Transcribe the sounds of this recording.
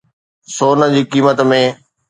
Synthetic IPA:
soːnə̆d͡ʑiːkiːmət̪mẽː

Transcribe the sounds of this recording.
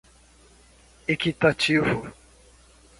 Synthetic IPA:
ekitat͡ʃivu

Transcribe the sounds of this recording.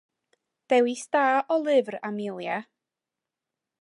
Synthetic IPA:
d̥ɛwistaːʔɔlˠɪvramɪlˠja

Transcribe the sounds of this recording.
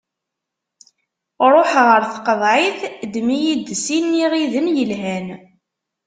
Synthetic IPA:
ɾˤoħʁəɾθqəðˤʕiθd̪mijid̪sinːiʁiðənjəlɦæn

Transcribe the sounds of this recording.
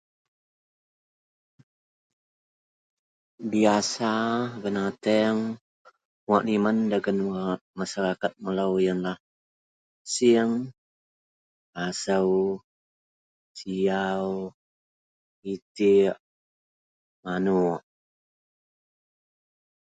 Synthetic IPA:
biasabənat̪ɛŋ | waʔnimandaɡanwaʔmasaɾakat̪̚məlawjanlah | siŋ | asəw | siaw | it̪iʔ | manuʔ

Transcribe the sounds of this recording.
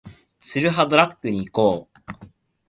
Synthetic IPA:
t͡sɨɾɯ̟ɦad̪oɾakːɯ̟ɲ̟iːko̞ː

